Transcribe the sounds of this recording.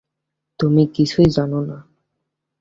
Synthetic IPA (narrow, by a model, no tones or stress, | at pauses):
t̪umikit͡ɕʰujd͡ʑanona